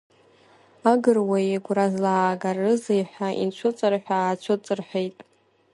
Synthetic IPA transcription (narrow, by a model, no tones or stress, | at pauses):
aɡɨrwajeɡʷrazlaːɡarɨzejħʷaʔḭnt͡ʃʷʰʊt͡sʼɨrħʷᶣaːt͡ʃʷʰʊt͡sʼɨrħʷejtʼ